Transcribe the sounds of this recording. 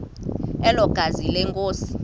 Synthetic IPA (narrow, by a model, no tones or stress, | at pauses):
ɛlɔɡ̥ʱazilɛŋkʼoːsi̥